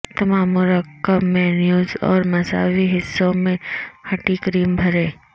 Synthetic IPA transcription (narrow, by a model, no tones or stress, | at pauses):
t̪ɐmaːmːʊɾəkːəbmɛ̃ːnjuːzɔ̰ːɾmɐsa̰ːwiɦɪsːõmẽhɐʈikɾiːmbʱɐɾẽː